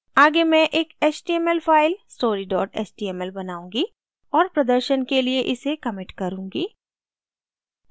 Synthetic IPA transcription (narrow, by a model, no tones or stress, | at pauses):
aːɡemɛ̃ʔeːkeːt͡ʃʈiːɛmɛlfʰaːɪlsʈoːɾiɖɔːʈɛ̰ːsʈiːɛmɛlbɐnaːũːŋɡi | ɔːɾpɾɐd̪əɾʃənkelieʔɪsekɐmɪʈkɐɾũːŋɡiː